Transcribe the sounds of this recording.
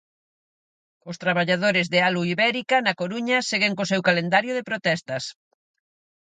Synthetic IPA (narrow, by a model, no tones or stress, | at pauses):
ʊst̪ɾaβaʎaðoɾɪzðɪaluiβɛɾikɐnɐkoɾuɲɐseɣeŋkosewkalend̪aɾjʊðepɾot̪ɛst̪ɐs